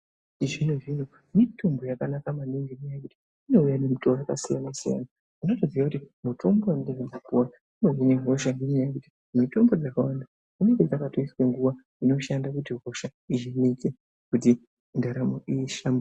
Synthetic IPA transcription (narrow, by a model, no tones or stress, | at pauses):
iʐinuʐino̞ | mitombo̞jakanakamaniŋdinejakuti̥ | ino̞ujanemutoaka̰sija̰nasija̰na | unotoziʋakutimuto̞mboandeɦimakuwanimeɦineɦoʃandinejakuti̥ | mito̞mbo̞d͡zakawanda | kuneked͡zakatoiskwe̞ŋɡuʋa | ino̞ʃandakutiɦo̞ʃaiʒinike | kut̬i | ndaɾamoʔiːʃambo